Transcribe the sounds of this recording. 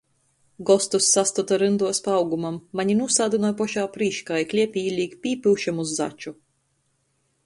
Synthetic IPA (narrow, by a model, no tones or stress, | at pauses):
ɡɔst̪usːast̪ɔt̪aɾɨnd̪uɔspaawɡumamːaɲinuːsaːd̪ɨnɔjpɔʃaːpɾiːʃkajklʲiɛpʲiːlʲiːkpʲiːpɨwʃamuzːa̰t͡ʃu